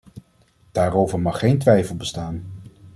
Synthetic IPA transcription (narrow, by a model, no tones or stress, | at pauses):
d̥aːɾowvəɹmɑχːejntʋɛjfəlˠbəstaːn